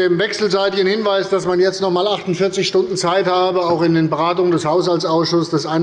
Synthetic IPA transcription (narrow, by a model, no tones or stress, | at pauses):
eːmvɛksl̩zaɪtɪçən̩hɪnvaɪsd̥asmanjɛt͡stnɔχmaːlaχtʊntfɪɐt͡sɪçʃtʊndn̩t͡saɪthaːbəaʊxɪndeːnbəʁaːtʊŋəndɛshaʊshalt͡ssaʊsʃʊssd̥asʔaɪn